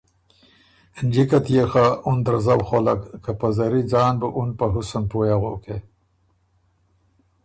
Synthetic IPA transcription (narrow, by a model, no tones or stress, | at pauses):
nd͡ʒikat̪jexaund̪aɾzawxolakːapazaɾid͡zɑːnbəʔunpaɦusanpojaɣoke